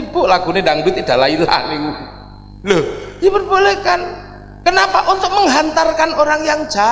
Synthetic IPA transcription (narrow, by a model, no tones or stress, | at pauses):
bʊʔlaɡunedaŋbɪt̪id̥alaila̰niŋu | ləipərbolekan | kənapaʔunt̪ʊk̚məŋɦant̪arkanoɾaŋjaŋd͡ʒa